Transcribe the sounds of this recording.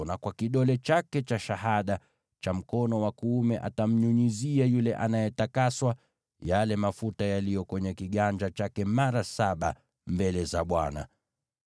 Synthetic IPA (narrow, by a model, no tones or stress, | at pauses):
nakwakiɗɔlɛt͡ʃakɛt͡ʃaʃaɦaɗa | t͡ʃam̩kɔnɔwakuumɛʔa̰tam̩ɲuɲiziajulɛʔanajɛtakaswa | jalɛmafutajalijɔkwɛɲɛkiɠand͡ʒat͡ʃakɛmaɾasaɓa̰ | mbɛlɛzaɓwana̰